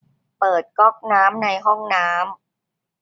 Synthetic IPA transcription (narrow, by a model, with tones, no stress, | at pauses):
pɤː˨˩t̪̚kɔ˥˩k̚naː˦˥mna˧jɦɔ˥˩ŋnaː˦˥m